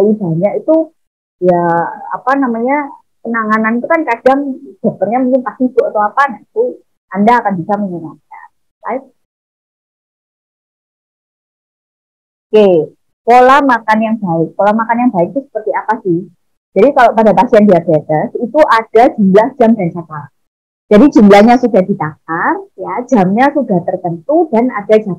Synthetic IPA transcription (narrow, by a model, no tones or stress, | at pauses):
ib̥aɲakit̪u | jaa̰panamaɲa | pənaŋananit̪ukankad̥aŋd̥a̤t̪ərɲamuŋkɪnpasidoʔat̪awapanait̪u | andaːkanbisaməɲənaka̰n | la̰ik̚ | oke | kolamakanjaŋb̥aɪk̚polamakanjaŋbaɪk̚t̪usə̥pərt̪iapasɪh | d͡ʒ̥adikalopadapasiandiabet̪əsit̪uʔad̥ḁd͡ʒumlahd͡ʒ̥amdant͡ʃat̪a | d͡ʒ̥adid͡ʒumblahɲasudahdit̪ak̚arjad͡ʒamɲasudaht̪ərt̪ənt̪udanad̥ad͡ʒa